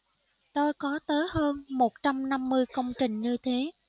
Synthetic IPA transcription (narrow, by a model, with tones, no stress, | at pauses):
t̪o˧jkɔ˨˦t̪əː˨˦jɦəː˧nmo˨˩t̚t͡ɕa˧mna˧mːɨ˧əjkə˧wŋ͡mt͡ɕï˨˩ŋ̟ɲɨ˧t̪ʰe˨˦